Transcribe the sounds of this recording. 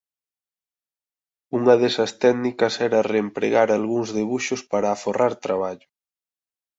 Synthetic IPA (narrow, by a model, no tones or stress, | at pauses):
uŋɐðɛsɐst̪ɛɣnikɐsɛɾɐreːmpɾḛɣaɾalɣuŋzðeβuʃʊspaɾaːforaɾt̪ɾaβaʎʊ